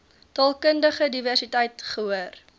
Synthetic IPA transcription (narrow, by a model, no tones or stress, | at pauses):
tɑlˠkəndəχədiværsitɛjtχəɦuər